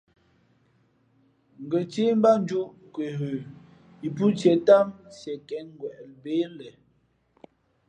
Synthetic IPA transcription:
ŋ̩˨ɡə˨t͡ʃe˦m˦ba˦n˦d͡ʒu˦ʔkwe˨ɦʉ˨ | i˨pu˦t͡ʃɛ˨ta˦msjɛ˨kɛ˨˦ŋ˦ɡwɛ˨ʔlbe˦lɛ˨

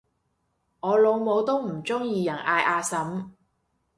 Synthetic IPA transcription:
ŋɔː˨˧lo˨˧wmo˨˧wt̪o˥wm̩˨˩t͡sʊ˥ŋjiː˧jɐ˨˩nʔaː˧jʔaː˧sɐ˨˥m

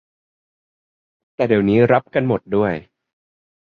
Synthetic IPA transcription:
t̪ɛː˨˩de˨˩əwniː˦˥ɾa˦˥p̚ka˧nmo˨˩t̪̚du˥˩əj

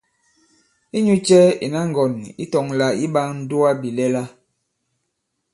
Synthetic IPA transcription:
i˦ɲu˦t͡ʃɛ˦ḭ˨na˦ŋ˨ɡɔ˨nḭ˦tɔ˨ŋla˨i˦ɓa˦ŋn̩˦du˦a˦bi˨lɛ˦la˦

